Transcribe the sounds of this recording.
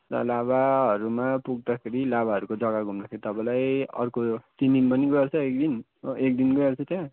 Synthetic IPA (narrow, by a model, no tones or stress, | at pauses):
tʌ̰laβaɦʌɾumapuɡ̚d̪akʰeɾilabaʌɾukod͡zʌɡaɡʱumd̪akʰeɾit̪ʌpãlajʌ̰rkotind̪inpʌniɡʌert͡sʰʌek̚d̪in | ek̚d̪inɡʌert͡sʰʌt̪jã